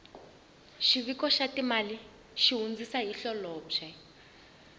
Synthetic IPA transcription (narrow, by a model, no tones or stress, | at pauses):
ʃiβikɔʃatimali | ʃiɦund͡zisaɦiɬɔlɔːbʂɛ